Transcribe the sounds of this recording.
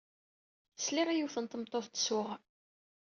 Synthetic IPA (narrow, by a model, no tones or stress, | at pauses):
əsliʁijuwθənt̪əmt̪ˤːoθt̪ə̥sʊʁ